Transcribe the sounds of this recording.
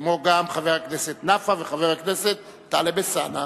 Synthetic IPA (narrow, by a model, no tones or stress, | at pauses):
kmoɡamχaveʁakneset̪nafaveχaveʁakneset̪ːalebesa̰na